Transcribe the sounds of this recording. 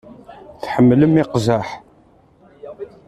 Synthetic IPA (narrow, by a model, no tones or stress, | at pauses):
θħəmːləmɪqzaħ